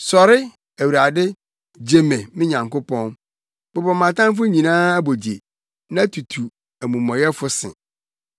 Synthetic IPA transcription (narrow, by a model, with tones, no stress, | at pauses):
sɔ˨ɾɪ˦ | æ˨wu˨ɾa˨dɪ˦ | d͡ʑe˨mẽ˨mɪ̃˦ɲã˨ŋkʊ˦pʰɔ̃˦n | b̥ʊ˨bɔ˨mã˨tã˦mfʊ˦ɲĩ˨nãː˦æ˦bo˨di˨e˨ | nã˦tʰu˨tʰu˨ | æ˨mũ˨mɔ̃˨jɛ˦fʊ˦sɪ̰̃˨